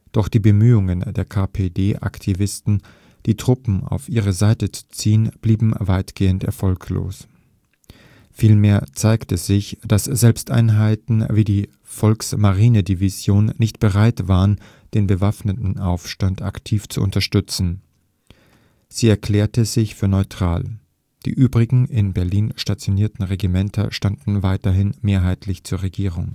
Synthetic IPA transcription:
d̥ɔχd̥iːbəmyːʊŋəndeːɐkʰaːpʰeːdeːʔa̰ktʰivɪstn̩ | d̥iːtʁ̥ʊpm̩a̰ʊfʔiːʁ̞əzaɪtət͡su̥t͡siːənb̥liːbm̩vaɪtɡ̥eːəntɛ̰ɐfɔlkʰlo̰ːs | fiːlmeːɐt͡saɪktəz̥ɪçd̥asz̥ɛlpstʔa̰ɪnɦaɪtn̩viːdiː | fɔlksmaʁiːnədivizjoːnːɪçtb̥əʁaɪtv̥aːʁən | d̥eːnbəvafnətn̩ʔaʊfʃtanta̰ktʰiːft͡sṵʔʊ̰ntɐʃtʏt͡sn̩ | z̥iːɛɐkl̥ɛːɐtəzɪçfyːɐnɔʏtʁ̥a̰ːl | d̥ḭːʔyːbʁɪɡŋ̩ʔɪnbɛɐliːnʃtat͡sjoniːɐtn̩ʁeɡimɛntʰɐ̰ʃtandn̩vaɪtɐɦɪnmeːɐɦaɪtʰlɪçt͡suːɐʁeɡiːʁʊŋ

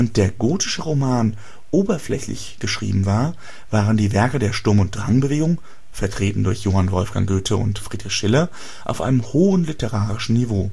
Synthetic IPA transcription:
ənt̚d̥eːɐɡoːtɪ̥ʃəʁomaːn | ʔoːbɐflɛ̰çlɪ̰çɡ̥əʃʁ̥ḭːbm̩vaːɐ | v̥aːʁəndiːvɛɐkədeːɐʃtʊɐmʊnt̚d̥ʁaŋbəveːɡʊŋ | fɛɐtʁ̥eːtn̩dʊɐçjoːhanvɔlfɡ̥a̰ŋɡøːtʰəʊ̰ntfʁ̥iːdʁɪçʃɪlɐ | ʔa̰ʊfʔa̰ɪnəmhoːənlɪtəʁaːʁɪʃn̩nivoː

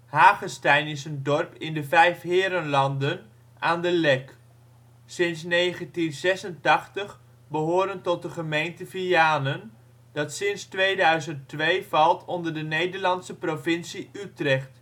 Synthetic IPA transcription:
haːχəstɛjnɪsəndɔrpɪndəvɛjfɦɪːɾənlɑndən | ʔaːndəlɛk | sɪnsnejχəntinzɛsəntɑχtəχ | bəɦʊːɾəntɔt̚dəχəmejntəviaːnən | d̥ɑtsɪnstʋejdœɥzənttʋejvɑlˠtʰɔndəɹdənejdəɹlɑnsəprovɪnsiytrɛχt

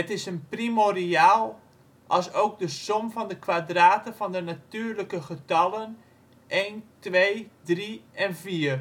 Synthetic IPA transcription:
ətɪsənprimoriaːlˠ | ʔɔlˠsowk̚dəsomvɔndəkʋadraːtəvɔndənatyːrləkəχətɑlən | ʔejntʋejdriɛnviːər

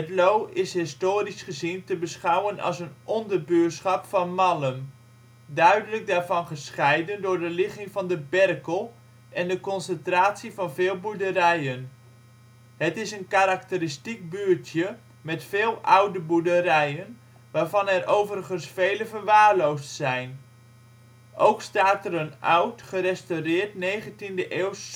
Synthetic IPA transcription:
ɦətlowɪsɦɪstoːrisχəzintəbəsχawənɑ̰lˠsənʔɔndərbyəsχɑpfɑnmɑləm | dœɥdələk̚daːɹvɑnχəsχɛjdəndʊːɹdəlɪχɪŋvɑndəbɛrkəlˠ | ʔɛndəkɔnsəntraːtsivɑnvɪːlˠbuɹdəɾɛjən | hətɪsənkaɾak̚təɾɪstik̚byːɹtʰjə | mɛtfeːlˠʔawdəbuɹdəɾɛjən | ʋaːɹvɑnɛrʔowvərχənsfejləvərʋaːɹlowstsɛjn | ʔowkstaːtərənʔa̰wtχərɛstawrɪːɹtnejχəntindəʔeːws

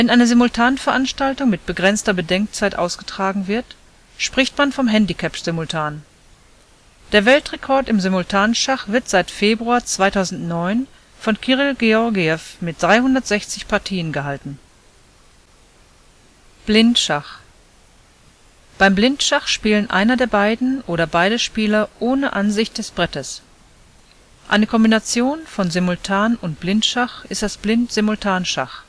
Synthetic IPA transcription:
vɛnʔaɪnəzɪmʊltʰaːnənfɛɐʔanʃtaltʊŋmɪt̚b̥əɡʁɛnt͡stɐbədɛŋk̚t͡saɪtʔa̰ʊsɡ̥ətʁ̥aːɡŋ̩vɪɐt | ʃpʁ̥ɪçtmanfɔmɦɛndikʰɛpz̥ɪmʊltʰaːn | d̥eːɐvɛltʁ̥ekʰɔɐtɪmzɪmʊltʰaːnnʃaχv̥ɪɐtz̥aɪtfeːbʁuaːt͡sv̥aɪtʰaʊzn̩tnɔʏn | fɔnkʰiʁɪlɡeɔɐɡiɛfmɪt̚d̥ʁaɪhʊndɐtz̥ɛçt͡sɪçpʰaɐtʰiːənɡəɦaltn̩ | b̥lɪntʃaχ | b̥aɪmblɪntʃaχʃpiːlənʔa̰ɪnɐdeːɐbaɪdn̩ʔoːɾɐbaɪdəʃpiːlɐʔoːnəʔanzɪçt̚d̥ɛsb̥ʁɛtəs | ʔaɪnəkʰɔmbinat͡sjoːnfɔnzɪmʊltʰaːnʊntb̥lɪntʃaχʔɪstd̥asb̥lɪntz̥ɪmʊltʰaːnʃa̰χ

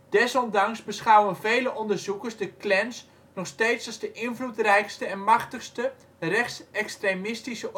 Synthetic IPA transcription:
d̥ɛsɔndɑŋsbəsχawənvejləʔɔndəɹzukəɹsdəklɛns | nɔχstejtsɑzdəʔɪnvlutrɛjkstəɛnmɑχtəχstə | rɛχtsɛkstremɪstisə

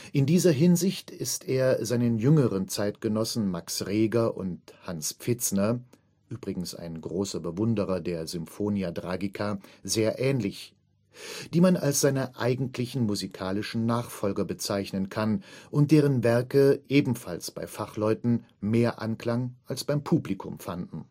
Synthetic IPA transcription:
ʔɪndiːzɐɦɪnzɪçtɪsteːɐzaɪnənjʏŋəʁənt͡saɪtɡ̥ənɔsn̩maksʁeːɡɐʔʊ̰nthansp͡fɪt͡snɐ | ʔyːb̥ʁɪɡŋ̩sa̰ɪnɡʁoːsɐbəvʊndəʁɐdeːɐzʏmfoːniadʁaːɡɪkʰazeːɐʔɛːnlɪç | d̥iːmana̰lsz̥aɪnəʔaɪɡŋ̩tʰlɪçn̩muzikʰaːlɪʃn̩naːχfɔlɡɐbət͡saɪçnənkʰanʔʊnt̚d̥eːʁ̞ənvɛɐkəʔeːbm̩falsb̥a̰ɪfaχlɔʏtn̩ | meːɐʔa̰nkl̥aŋʔalsb̥aɪmpʰuːblikʰʊ̰mfandn̩

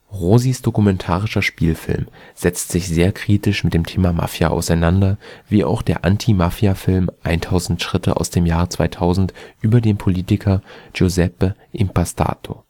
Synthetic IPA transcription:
ʁoːzisd̥okumɛntʰaːʁɪʃɐʃpiːlfɪ̰lm | z̥ɛt͡stz̥ɪçz̥eːɐkʁ̥iːtɪʃmɪt̚d̥eːmtʰeːmama̰fjaʔa̰ʊsaɪnandɐviːʔa̰ʊxd̥eːɐʔantʰimafjafɪlmʔaɪntʰaʊzn̩tʃʁ̥ɪtʰə̰ʔa̰ʊsd̥eːmjaːʁət͡sv̥a̰ɪtʰaʊzn̩tʔyːbɐdeːnpʰoliːtɪkʰɐd͡ʒozɛpəʔɪmpʰastʰa̰ːtʰo̰

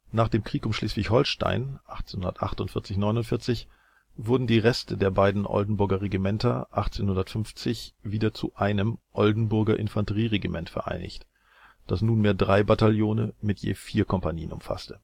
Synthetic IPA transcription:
naːχd̥eːmkʁ̥iːkʊmʃliːsv̥ɪçhɔlʃta̰ɪnʔaχt͡senhʊndɐtʔa̰χtʊntfɪɐt͡sɪçnɔʏnʊntfɪɐt͡sɪç | vʊɐdn̩diːʁɛstʰədeːɐbaɪdn̩ʔɔ̰ldn̩bʊɐɡɐʁeɡimɛntɐʔaχt͡seːnhʊndɐtfʏnft͡sɪçviːdɐt͡suʔaɪnəmʔɔldn̩bʊɐɡɐʔɪnfantəʁiːʁeɡimʔɛntfɛɐʔa̰ɪnɪ̰çt | d̥asnuːnmeːɐdʁaɪbataljoːnəmɪtjḛːfiːɐkʰɔmpaniːənʊ̰mfa̰stə

